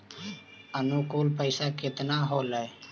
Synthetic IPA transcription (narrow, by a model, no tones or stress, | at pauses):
ənukuːlpəɪsaːkɪt̪naːɦoːləe